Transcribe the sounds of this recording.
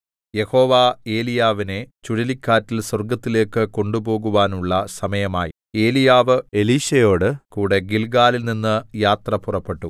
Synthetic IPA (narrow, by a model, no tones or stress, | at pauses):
je̞ho̞ːʋaːe̞ːlijaːʋine̞t͡ɕuɽilikʲːaːtːilswɐrɡɐt̪ːile̞ːkːɨko̞ɳɖubo̞ːɣuʋaːnuɭːɐsɐmɐjɐma̰ːjḭ | e̞ːlijaːʋɨe̞liːɕɐjo̞ːɽɨkuːɽe̞ɡilɡaːlilninːɨjaːt̪rɐpurɐpːe̞ʈːu